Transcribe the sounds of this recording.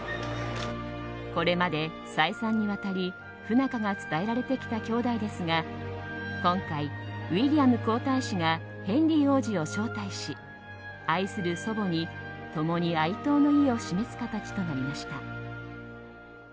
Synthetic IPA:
ko̞ɾe̞mad̪e̞ | saisãɲ̟ːiβat̪aɾʲi | ɸɯ̟nakaɡat͡sɨ̥t̪ae̞ɾaɾe̞t̪e̞kʲi̥t̪akʲo̞ːd̪aid̪e̞sɨŋɡa | kõ̞ŋkaiβiɾʲiamɯ̟ko̞ːt̪aiɕiɡa | hẽ̞nɾʲio̞ːʑio̞ɕo̞ːt̪aiɕi | aisɨɾɯ̟so̞bo̞ɲ̟it̪o̞mo̞ɲ̟iait̪o̞ːno̞io̞ɕime̞sɨ̥kat̪at͡ɕi̥t̪o̞naɾʲimaɕi̥t̪a

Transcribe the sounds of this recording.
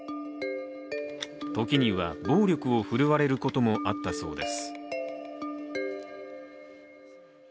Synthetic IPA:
t̪o̞kʲiɲ̟iβa̰bo̞ːɾʲjo̞kɯ̟o̞ɸɯ̟ɾɯ̟βaɾe̞ɾɯ̟ko̞t̪o̞mo̞ʔat̪ːaso̞̰ːd̪e̞sɨ̥

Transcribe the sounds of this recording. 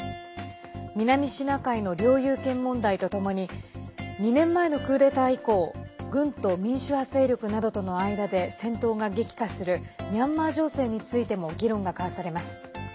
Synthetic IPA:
mʲinamʲiɕinakaino̞ɾʲo̞ːjɯːkẽ̞mːõ̞nd̪ait̪o̞t̪o̞mo̞ɲ̟i | ɲ̟inẽ̞mːae̞no̞kɯ̟ːd̪e̞t̪aiko̞ːɡɯ̟̃nt̪o̞mʲĩɰ̃ɕɨhase̞ːɾʲjokɯ̟nad̪o̞t̪o̞no̞aid̪ad̪e̞sẽ̞nt̪o̞ːɡaɡe̞kʲi̥kasɨɾɯ̟ɲʲãmːaːʑo̞ːse̞ːɲ̟it͡sɨit̪e̞mo̞ɡʲiɾõ̞ŋɡakaasaɾe̞masɨ̥

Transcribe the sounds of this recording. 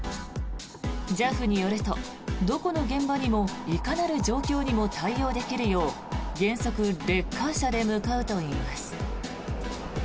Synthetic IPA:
d͡ʑaɸɯ̟ɲ̟ijo̞ɾɯt̪o̞̰ | d̪o̞ko̞no̞ɡẽ̞mbaɲ̟imo̞ikanaɾɯ̟ʑo̞ːkʲo̞ːɲ̟imo̞t̪ʰaijo̞ːd̪e̞kʲiɾɯ̟jo̞ː | ɡẽ̞ɰ̃so̞kɯ̟ɾe̞kʰːaɕad̪e̞mɯ̟kaɯ̟t̪o̞iːmasɨ̥

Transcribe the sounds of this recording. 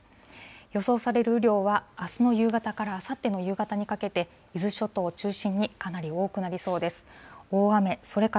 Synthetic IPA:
jo̞so̞ːsaɾe̞ɾɯ̟ɯɾʲo̞ːβaːsɨno̞jɯ̟ːɡat̪akaɾaːsat̪ːe̞no̞jɯ̟ːɡat̪aɲ̟ikake̞t̪e̞ | izɨɕo̞t̪o̞ːt͡ɕɨːɕĩɲ̟ːikanaɾʲio̞ːkɯ̟naɾʲiso̞ːd̪e̞sɨ̥o̞ːame̞so̞ɾe̞ka

